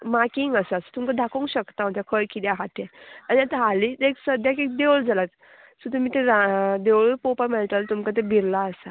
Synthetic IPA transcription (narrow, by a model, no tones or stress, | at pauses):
makiŋɡəsəsət̪umkad̪ʱakoŋkɕəkt̪aɦõt̪jakʰəjkid̪jaɦat̪ẽaniat̪aɦalit̪eksəd̪ʱjakek̚d̪ewɭd͡zalat̪ | sut̪umit̪ẽɾad̪ewɭpopəɾmeʈəlt̪umkat̪̬ebʱiɾlaəsa